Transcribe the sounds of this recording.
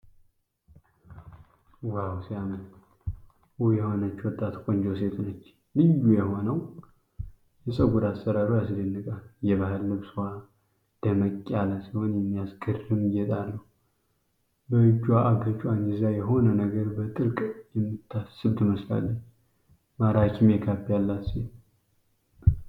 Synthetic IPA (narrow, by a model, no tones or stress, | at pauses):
wawsijamːən | wjɛhonət͡ʃːwɔt̪ʼːat̪kʼond͡ʒos̬e̞t̪ʰnət͡ʃː | lɨjːujɛɦo̞nəw | jɛsʼəɡud̪asːəɾaɾujasɨd̪enːəkʼaljɛβahɨlːɨβswa | d̪̥əməkʼːalasihonjɛmːijasɡɨrɨmjɛt̪ʼalːəhu | bəɨd͡ʒːwaʔaɡət͡ʃʼwand͡ʒizajɛɦo̞nənəɡəɾbət̪ʼɨɾkʼjɛmːɨt̪ʰːasɨβt̪ʰɨməsla̰lːət͡ʃː | maɾat͡ʃːɪmekʰapːjalːasi